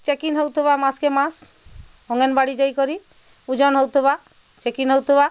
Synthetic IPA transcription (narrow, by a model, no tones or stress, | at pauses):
t͡ʃekinɦowt̪ʰɔβamaskemas | ɔŋɛnbaɽid͡ʒajkɔɾi | ud͡ʒɔnɦowt̪ʰɔba | t͡ʃekinɦowt̪ɔba